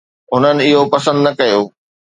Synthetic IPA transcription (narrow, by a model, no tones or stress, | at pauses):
ɦʊnənɪ̆ɪɦopɐsə̃nd̪nɐkɐjoː